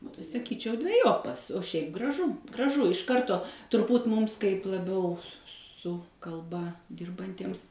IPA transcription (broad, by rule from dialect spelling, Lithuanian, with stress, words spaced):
oː tɐɪ sɐˈkʲiːt͡ʃʲɛʊ dʲʋʲɛˈjoːpɐs oː ˈʃʲɛɪp ɡrɐˈʒʊ ɡrɐˈʒʊ ɪʃ ˈkɐrtoː tʊrˈbuːt ˈmuːms kɐɪp lˠɐˈbʲɛʊ sʊ kɐlˠˈbɐ ˈdʲɪrbɐnʲtʲiɛms